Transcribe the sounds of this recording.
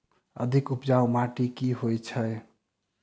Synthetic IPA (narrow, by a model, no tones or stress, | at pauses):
ə̰d̪ʱikupd͡ʒawmaʈikiɦojt͡ʃʰəj